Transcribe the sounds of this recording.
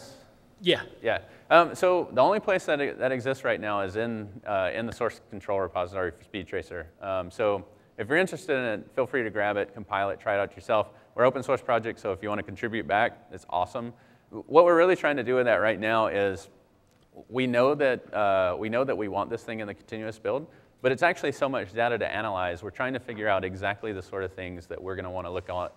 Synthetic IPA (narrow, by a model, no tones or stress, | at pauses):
jæjæʌ̃msoʊðiõʊ̃nlipʰl̥eɪsðɨɾðɨɾɨɡzɪstsɹaɪtⁿnaʊɪzɪ̃nʌɪ̰̃nðɨsɔɹskʰn̩tʰɹ̥oʊlˠɹɨpʰɑzətɔɹispidtʰɹ̥eɪsə˞ʔʌ̃msoʊ | ɨfjə˞ɪ̃nt͡ʃɹ̥ɨstɨɾɨ̃nɨfilˠfɹiɾɨɡɹæbɨt̚kʰm̩pʰaɪlˠɨtʰɹ̥aɪɾaʊt͡ʃə˞sɛlˠf | wəɹoʊpə̃n̩sɔɹspʰɹ̥ɑd͡ʒɛk̚tsoʊɨfjɨwɑ̃ñɨkn̩tʰɹ̥ɪbjʉt̚b̥æk̚ɨtsɔ̰sə̃m | wʌt̚wɪɹɹɪlˠitʰɹ̥aɪɪ̃ŋtʰɨdɨwɨðɨʔ̚ɹaɪtⁿnaʊɪz | winoʊðɨt̚ʌwinoʊðɨʔ̚wiwɑ̃nðɪsθɪ̃ŋɨ̃nðɨkʰn̩tʰɪ̃njʉɨsb̥ɪlˠd̚ | b̥ʌɾɨtsæk̚t͡ʃʉl̩ˠisoʊmʌt͡ʃd̥aʊɾɨɾɨ̰ʔæ̰ñəlaɪzwɨɹtʰɹ̥aɪɪ̃ŋtʰɨfɪɡjə˞aʊɾɨɡzæk̚tˡliðɨsɔɹɾʌv̥θɪ̃ŋzðɨ̰ʔwɪɹɡʌnəwɑ̃ñəlʊk̚